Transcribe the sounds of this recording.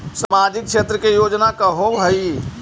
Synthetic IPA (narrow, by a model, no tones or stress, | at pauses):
səmaːd͡ʒɪk̚ʃeːt̪ɾəkejoːd͡ʒnakəɦobʱəi